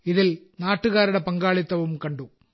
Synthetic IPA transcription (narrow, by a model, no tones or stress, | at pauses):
iðilnaːʈːuɣaːɾuɽe̞pɐŋɡaːɭit̪ːɐʋumkɐɳɖu